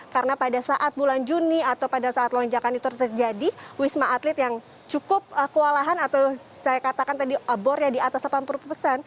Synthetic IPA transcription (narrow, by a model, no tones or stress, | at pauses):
kaɾənapadasaʔat̪̚buland͡ʒuniat̪awpadasaːt̪lɔɲd͡ʒakanit̪urt̪ərd͡ʒadiwismaʔːt̪lɪt̪jaŋ | t͡ʃukʊp̚əkəwalaɦanat̪aw | sajakat̪akant̪adiʔabɔɾjadiat̪aslapanpuɾuppəsan